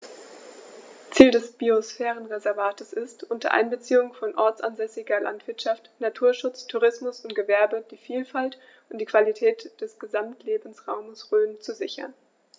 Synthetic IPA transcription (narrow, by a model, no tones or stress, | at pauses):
t͡siːldɛsb̥iosfɛːʁənʁezɛɐvaːtʰəsɪstʔʊntɐ̰ʔa̰ɪnbət͡siːʊŋfɔnʔɔɐt͡sʔa̰nzɛsɪɡɐlʔa̰ntv̥ɪɐtʃaftnatʰuːɐʃʊt͡stʰuʁɪsmʊsʊntɡ̥əvɛɐbəd̥iːfiːlfalt | ʔʊntd̥iːkv̥alitʰɛːtd̥ɛsɡ̥əzamtleːbn̩sʁaʊməsʁøːnt͡suzɪçɐ̰n